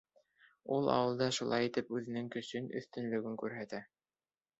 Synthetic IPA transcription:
ulˠɑ̰wɤ̆lˠd̪ɑʃulˠɑjit̪ɘpʉðɘ̆nɘŋkɵ̆sɵnɵ̰̆θt̪ɵ̆nlɵ̆ɡɘŋkʉɾɦæt̪æ

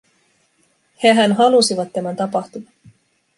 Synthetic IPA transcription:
he̞ɦænɦɑlusiʋɑt̪ːæmænt̪ɑpɑht̪umɑ

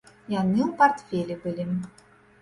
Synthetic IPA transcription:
janɨupart̪fʲelʲɛbɨlʲi

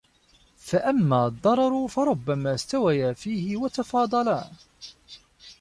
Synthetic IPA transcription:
faʔamːaːd̪ˤːɑɾˤɑɾˤʊfɑɾˤʊbːamaːst̪awajaːfiːhɪwat̪ɑfɑːd̪ˤɑla

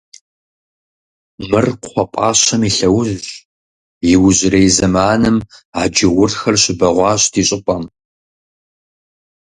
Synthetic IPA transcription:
mɨrqʷɔpʷʼɑːɕɐmiɬɐwʊz | jɪwʊʑɪrejzɐmaːnɨmaːd͡ʒɪʁʷʊrxɐrɕɪbɐʁʷɑːɕʼtʰiːɕʼɪpʷʼɐm

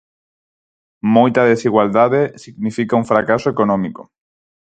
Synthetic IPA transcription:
mojt̪aðesiɣwald̪aðesiɣnifikauɱfɾakasoekonɔ̃miko

